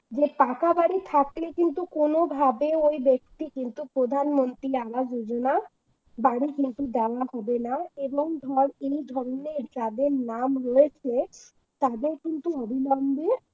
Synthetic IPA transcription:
d͡ʑepakabaɽit̪ʰaklekint̪ukonobʱabeojbek̚t̪ikint̪upɾod̪ʱanmont̪ɾiabad͡ʑod͡ʑona | baɽ̃ikint̪ud̪ɛoahɔbenaeboŋd̪ʱɔɾejd̪ʱɔɾneɾd͡ʒad̪eɾnamɾoet͡ɕʰe | t̪ad̪eɾkint̪uobʱinɔmbe

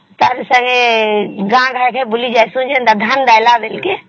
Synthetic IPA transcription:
t̪aɾesəŋɡeɡãɡʱəɾkʰebulid͡ʒajsũnd͡ʒent̪ad̪ʱənd̪ajlabelke

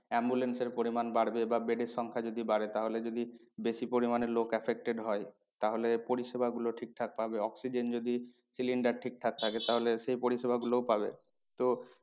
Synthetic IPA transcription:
ɛmbulenseɾpoɾimanbaɽbebabeɖeɾʃɔŋkʰad͡ʑod̪ibaɽet̪aɦoled͡ʑod̪i | beʃipoɾimaneɾlokɛfʰek̚ʈeɖɦɔe | t̪aɦolepoɾiʃebʱaɡuloʈʰik̚t̪ʰak̚pabeɔksid͡ʑend͡ʑod̪i | siliɳɖaɾʈʰik̚t̪ʰak̚t̪ʰaket̪aɦoleʃejpoɾiʃebaɡulowpabḛ | t̪o

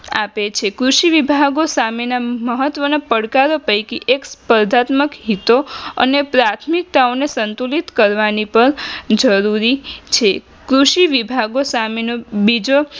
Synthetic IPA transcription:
a̰pet͡ʃʰekɾuʃiʋibʱaɡosamenaməɦət̪ʋənopəɽkaɾopəjkiʔekspəɾd̪ʱat̪məkɦit̪oə̰nepɾat̪ʰmik̚t̪aonesənt̪ulit̪kəɾʋanipəɾd͡ʒəɾuɾit͡ʃʰe | kɾuʃiʋibʱaɡosamenobid͡ʒo

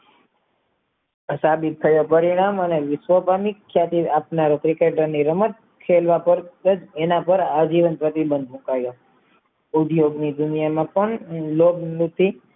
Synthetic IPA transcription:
əsabit̪̚ʰːəjopəɾiɽ̃aməneʋɪsʋəpamikʰːjat̪iapnaɾot̪ɾikeʈəɾniɾəmət̪̚ | kʰelʋapəɾəd͡ʒenapəɾad͡ʒiʋənpɾət̪ibə̃nd̪ʱmũkajo | ʊd̪joɡnid̪ʊnjamãpəɳlobnũt̪ʰi

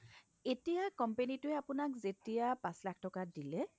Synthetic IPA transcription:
etijakɔmpenitʊɛapʊnakzetijapãslak̚ʰtɔkadilɛ

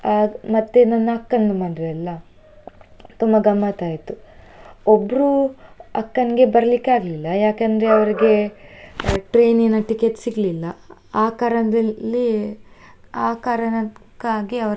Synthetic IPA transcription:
aːmɐt̪ːenɐnːɐɐkːɐnːumaːɳɖ̪ɾeɐlːɐ | t̪umbɐɡɐmːat̪aːjit̪u | obːɐɾuɐkːɐnɡe̞bɐɾɐlikːaːɡɐlilːɐjaːkɐnd̪ɐɾe̞ɐʋɐɾiɡe̞ | ʈɾe̞ːninːɐʈikeʈsiɡɐlilːɐaːkaːɾɐnɐd̪ɐlːi | aːkaːɾɐnɐkːaːɡiɐʋɐɾ

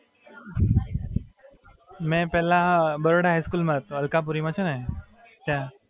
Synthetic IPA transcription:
mɛ̃pɛlabəɾoɽaɦajskuːlmət̪əlkap̬uɾimãt͡ɕʰenẽ | t͡ɕa

